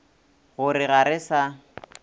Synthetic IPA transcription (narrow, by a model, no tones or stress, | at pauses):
ɣʊɾɪɣaɾɪsa